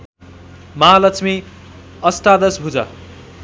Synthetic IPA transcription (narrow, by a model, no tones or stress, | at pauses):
mʌɦalʌkt͡sʰmi | ʌst̪ad̪ʌsbʱud͡zʌ